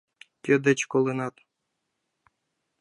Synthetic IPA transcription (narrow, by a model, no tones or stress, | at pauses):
t̪ʲed̪ɘ̆t͡ɕkolˠɘnɑt̪